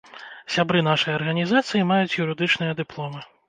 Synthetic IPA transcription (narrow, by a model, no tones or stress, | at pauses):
sʲabɾɨnaʂɐjɐrɣɐnʲizat̪sɨjimajut͡sʲjuɾɨd̪ɨt͡ʂnɨjɐd̪ɨplˠɔmɨ